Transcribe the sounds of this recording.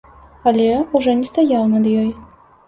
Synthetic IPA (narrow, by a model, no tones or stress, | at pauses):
alʲɛuʐɛnʲɛst̪ajawnɐd̪jɔj